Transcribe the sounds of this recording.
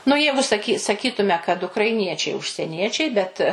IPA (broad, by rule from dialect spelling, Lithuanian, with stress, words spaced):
nʊ ˈjɛɪɡʊ sɐˈkʲiː sɐˈkʲiːtʊmʲɛ kɐt ʊkrɐɪˈnʲiɛt͡ʃʲɛɪ ʊʃʲsʲɛˈnʲiɛt͡ʃʲɛɪ bʲɛt